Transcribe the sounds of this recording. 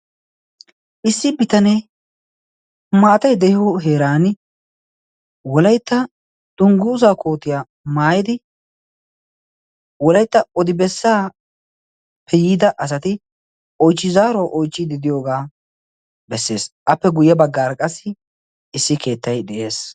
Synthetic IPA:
ʔɪsːɪbɪt̪ɐnɛ | maːt̪ɐjd̪ɛhɪɔɦe̞ːɾaːnɪ | wɔlɐjt̪ːɐ | d̪̥ʊŋɡʊzaːko̞ːt̪ɪjaː | maːjɪd̪ɪ | wɔlɐjt̪ːɐɔd̪ɪbɛsːaː | pʰɛjiːd̪ɐʔɐs̬ɐt̪ɪ | ɔjt͡ʃːɪzaːɾɔʔɔjt͡ʃːɪd̪ɪd̪ɪjo̞ːɡaː | bɛsːe̞ːsʔɐpːɛɡʊjːɛbɐɡːaːɾkʼɐsːɪ | ɪsːɪkʰe̞ːt̪ːɐjd̪ɛʔe̞ːs

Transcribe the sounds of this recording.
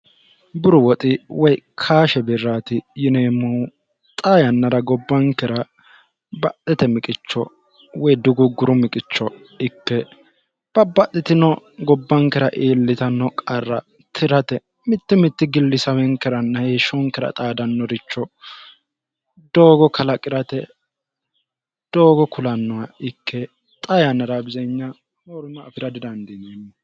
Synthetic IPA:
bʊɾʊwɔt̪ʼɪwɔjkʰaːʃɛbɪrːaːt̪ɪjɪneːmu | t̪ʼaːjɐnːɐɾɐɡɔbːɐŋkɛɾɐ | bɐʔɛt̪ɛmɪkʼɪt͡ʃːɔ | wɔjd̪ʊɡʊɡʊɾʊmɪkʼɪt͡ʃːɔ | ɪkːɛ | b̥ɐbːɐʔ̪ːɪt̪ɪnɔ | ɡɔbːɐŋkɛɾɐʔeːlːɪt̪ɐnːɔkʼɐrːɐ | t̪ʰɪɾɐt̪ɛ | mɪt̪ːɪmɪt̪ːɪɡɪlːɪsɐwɛŋkɛɾɐnːɐheʃɔŋkɛɾɐ̰t̪ʼaːd̪ɐnːɔɾɪt͡ʃːɔ | d̪oːɡɔkʰɐlɐkʼɪɾɐt̪ɛ | d̪̥oːɡɔkʰʊlɐnːɔwaɪkʰːɛ | t̪ʼɐjɐnɐɾabɪzɐɲːɐ | moɾʊmɐːfɪɾɐd̪ɪd̪ɐnd̪ɛnɛɲːɐ

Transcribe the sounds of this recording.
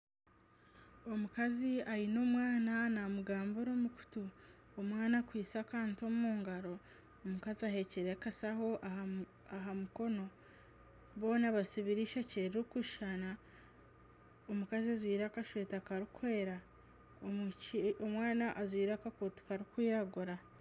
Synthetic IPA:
o̞mukaziajino̞ːmwaːnanamuɡaːmboɾo̞muku̥tu | omwaːnakwiːt͡sakaːntuomumuːŋɡaɾo̞ː | mukaziahe̞ceɾekasaho̞ʔa | aɦamuko̞no̞ | βo̞ːnaβasiβiɾiʃaceɾiikuʃʃana | omukaziazwiːɾakaʃweːtakaɾikweːɾa | omwaːnaʔazwiːɾakakotu̥kaɾikwiːɾaɡuɾa

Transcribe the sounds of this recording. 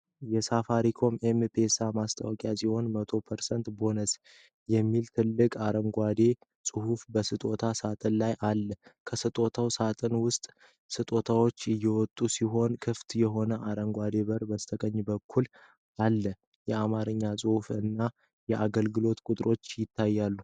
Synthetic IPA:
jɛsafaɾikʰo̞mempʰe̞samast̪ʰʼa̰wɔkʼjasiho̞nmət̪ʰo̞pʰəɾsənt̪bo̞nəs | jɛmːilt̪ʰɨlːɨkʼaɾəŋɡʷad̪e̞ | sʼɨhufbəsɨt̪ʼo̞t̪ʰasat̪ʼɨnlajʔalːəkʰəsɨt̪ʼo̞t̪ʰawsat̪ʼənwʊst̪ʼ | sɨt̪ʼo̞t̪ʰawo̞t͡ʃːɨjːɛwɔt̪ʼːusiɦo̞nkʰɨft̪jɛɦo̞nəʔaɾəŋɡʷad̪e̞bəɾbəst̪ʰəkʼəɲːbəkʰːul | ʔalːə | jɛamaɾɨɲːasʼɨhufɨnːa | jɛʔaɡəlɡɨlo̞t̪kʼʊt̪ʼɨɾo̞t͡ʃːjɪt̪ʰːajːalːu

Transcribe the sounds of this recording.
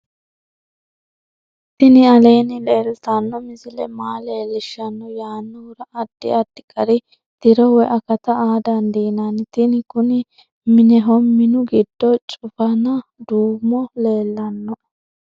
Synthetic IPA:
t̪ɪnɪɐleːnɪleːlt̪ɐnːɔmɪzɪlɛ̰maːle̞ːlːɪʃːɐnːɔjaːnːɔɾɐʔɐd̪̥ːɪ̰ɐd̪ːɪkʼɐɾɪ | t̪ɪɾɔwɛʔɐkɐt̪ɐaːd̪ɐnd̪iːnant̪ɪnɪkʊnɪ | mɪnɛɦɔmːɪnʊɡɪd̪ːɔt͡ʃʼʊfɐnɐd̪uːmːɔle̞ːlːɐnːɔ

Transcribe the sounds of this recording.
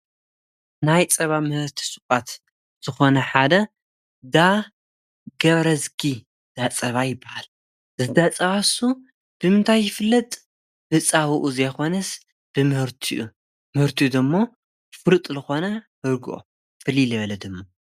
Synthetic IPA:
najt͡sʼɐβamɨhɨɾt̪ʰi̥sʼɨkʼat̪ | z̥ɨxo̞nɐħad̪ɐ | d̪a | ɡɐβɾɐzkʰi | d̪̥at͡sʼɐβajɪbːahal | zɨd̪at͡sʼɐβasu | b̥ɨmɨnt̪ʰajːɪfɨlːɐt̪ʼ | bɨt͡sʼaβɨʔuzɐjxo̞nɐs | b̥ɨmɨhɨɾt̪ʰiʔu | mɨhɨɾt̪ʰiud̪ɨmːo | fɨɾɨt̪ʼlɨxo̞nɐhɨɾɡɨʔo̰ | fɨliljɨβɐlɐd̪ɨmːo

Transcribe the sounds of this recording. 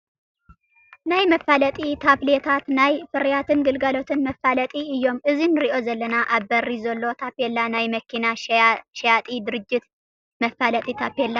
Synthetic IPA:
najməfalət̪ʼit̪ʰaβlet̪ʰat̪najfɨɾjat̪ʰɨnɡɨlɡalo̞t̪ʰɨnməfːalət̪ʼiɨjːo̞mʔɨzinɾiʔo̞zɐlːənaʔaβːərːizɐlːo̞t̪ʰapelːanajməkʰːinaʃɛjat̪ʼid̪ɨɾɨd͡ʒːɪt̪ | məfːalət̪ʼit̪ʰapelːa

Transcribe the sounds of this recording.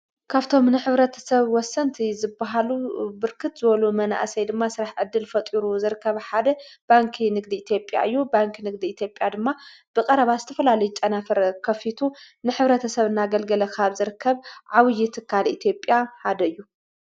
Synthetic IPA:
kʰaβt̪ʰo̞mnɨħɨβɾɐt̪ʰɐ̥sɐβwɔsːɐnt̪ʰizɨbːaɦalubɨɾkʰɨt̪zɨβɐlumɐna̰ʔsɐjd̪ɨmːasɨɾaħʕɨd̪ːɨlfɐt̪ʼiɾuzɨɾɨkʰːɐβħad̪ɐb̥aŋkʰinɨɡd̪iːt̪ʰjo̞pʼja̰ʔɨjːubaŋkʰnɨɡ̚d̪iːt̪ʰjo̞pʼjad̪ɨmːa | b̥ɨkʼɐɾɐβazɨt̪ʰɐfɐlalɐjut͡ʃʼɐnafɐɾkʰɐfit̪ʰu | nɨħɨβɾɐt̪ʰɐsɐβɨnːaɡɐlɡɐlɐkʰaβzɨɾɨkʰːɐβʕawɨjːɪt̪ʰɨkʰːalḭt̪ʰjo̞pʼjaħad̪ɐɨjːu

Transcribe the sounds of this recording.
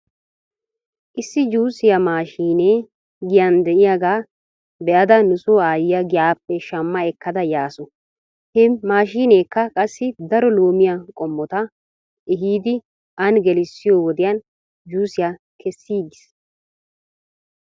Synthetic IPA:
ʔɪsːɪd͡ʒuːsɪjamaːʃiːneː | ɡɪjɐnd̪ɛʔɪjaɡaː | bɛʔɐd̪ɐnʊsoːaːjɪjɐɡɪjaːpːɛʃɐmːɐɛkːɐd̪ɐjaːsɔ | hɛmaːʃiːneːkːɐkʼɐsːɪd̪ɐɾɔloːmɪjakʼɔmːɔt̪ɐ | ʔɪɦiːd̪ɪ | ɐnɡɛlɪsːɪjoːwɔd̪ɪjɐn | d͡ʒuːsɪja | kʰɛsːiːɡɪs

